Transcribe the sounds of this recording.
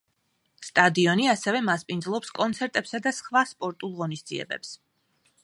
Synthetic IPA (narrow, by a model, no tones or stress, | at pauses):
st̪ʼad̪iɔniasɛvɛmaspʼind̪zlˠɔpskʼɔnt̪sʰɛɾt̪ʼɛpsad̪asχvaspʼɔɾt̪ʼulˠʁɔnisd̪ziɛ̰bɛ̰ps